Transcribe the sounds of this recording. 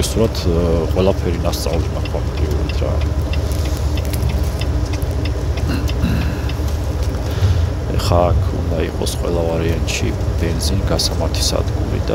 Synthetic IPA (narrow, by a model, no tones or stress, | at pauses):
isuɾat̪ʰqʼwɛlˠapʰɛɾinast̪sʼa̰vlinakʰamb̪ɾiuɾa̰d̪ʰɾa̰ | ɛ̰χaːkʰṵnd̪aiqʼɔsqʼwɛ̰lˠavaɾɛant̪ʃḭb̥ɛnzinɡasamat̪ʰi̥sa̰d̪ɡṵlḭd̪a